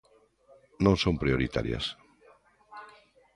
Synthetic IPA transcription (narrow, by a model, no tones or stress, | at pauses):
nõŋsõmpɾioɾit̪a̰ɾja̰s